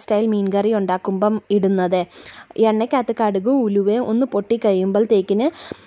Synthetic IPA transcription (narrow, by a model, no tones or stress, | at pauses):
stɐjlmiːnɡɐrijuɳɖaːkːumbɐmiɽunːɐðɨʔeɳːɐkʲːaːt̪ːɨkɐɽuɣuuluʋeʔo̞nːɨpoʈːikːɐɻijːumboːlt̪eːkʲːinɨ